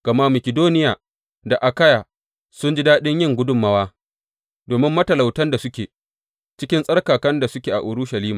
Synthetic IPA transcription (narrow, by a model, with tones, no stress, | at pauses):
ɡ̥ɐ˨ma˦mɐ˨kʲɪ˨doː˦nɪ˦jaː˨ | da˨ʔa˨ka˦jaː˨ | sʊ˦nd͡ʒi˦daː˦ɗɪ˦ɲjɪ˦˨ŋɡʷʊ˦dʊ˦mːɐ˦waː˦ | doː˨mɪ˦mːɐ˦tɐ˨la˨wtɐ˦nda˨sʊ˦kʲeː˨ | t͡ʃɪ˦kʲɪ˦nsʼɐ˦rkaː˨kɐ˦nda˨sʊ˦kʲeː˨ʔa̰˨ʔʊ˨ɾʊ˦ʃɐ˨liː˦maː˨